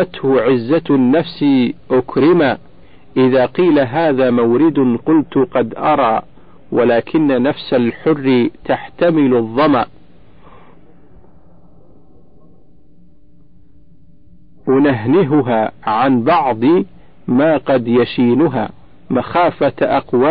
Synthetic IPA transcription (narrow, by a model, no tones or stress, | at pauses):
at̪hʊʕɪzːanːafsɪʔʊkɾɪmaː | ʔɪðaːqiːlaɦaːðaːmawɾɪd̪ʊqʊlt̪ʊqɑd̪ʔɑɾˤɑː | walaːkʰɪnːanafsalħʊrːɪt̪aħt̪amɪlðˤːɑmaːʔ | wanaɦnɪɦʊɦaːʕanbɑʕd̪ˤi | maːqɑd̪jaʃiːnʊɦa̰ː | maxaːfaʔɑqwaː